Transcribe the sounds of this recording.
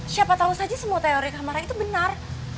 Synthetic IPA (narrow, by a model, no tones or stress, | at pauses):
siapat̪ausad͡ʒasəmuat̪eoɾikamaɾait̪ubənar